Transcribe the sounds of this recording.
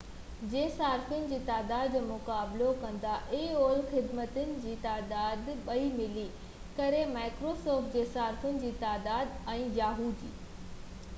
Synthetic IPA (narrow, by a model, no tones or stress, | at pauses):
d͡ʑeːsaːɾfʊnɪ̆d͡ʑiːt̪aːd̪aːd̪mʊkaːblokɐ̃nd̪aʔeoːlxɪd̪mət̪ʊnɪ̆d͡ʑiːt̪aːd̪aːd̪ɓɐimɪli | kɐɾemaːɪkɾoːsɔːɾfʈ̚d͡ʑeːsaːɾfʊnɪ̆d͡ʑiːt̪aːd̪aːd̪ɛ̃ːjaːɦuːd̪ḭː